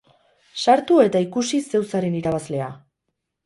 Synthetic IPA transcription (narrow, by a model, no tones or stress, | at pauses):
saɾt̪ue̞t̪aikusise̞wsaɾe̞niɾaβazle̞a